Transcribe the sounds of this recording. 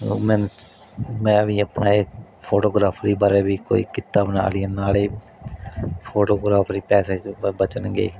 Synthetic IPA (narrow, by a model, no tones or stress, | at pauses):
mɛ̃ːn | mɛ̃ːʋiːəpnaːeːk | pʰoːʈoːɡɾaːpʰɾiːbəɾeːbiːko̰ːḭːkɪt̪aːbəna̰ːlɪjanaːleː | pʰoːʈoːɡɾaːpʰɾiːpɛːseːbət͡ʃənɡḛiː